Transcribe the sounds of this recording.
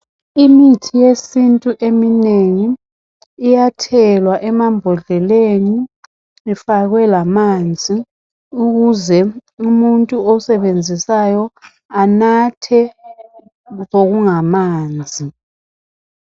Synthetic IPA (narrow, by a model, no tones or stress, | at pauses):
imitʰijesintʼuʔemineŋiː | jatʰɛlwaʔɛmambʱɔɮɛleniː | faɣwɛlamand͡zʱi | uɣuzɛumuntʼuɔsɛβend͡zʱisajɔ | anatʰɛ | ɣoɣuŋamaːnd͡zʱi